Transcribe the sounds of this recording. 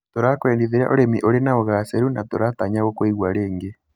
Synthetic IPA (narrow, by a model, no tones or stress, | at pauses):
toɾakweːndiðeɾa̰ʔoɾemiʔoɾenaoɣasɛɾunatoɾataɲaɣokweiɣwaɾeːŋɡe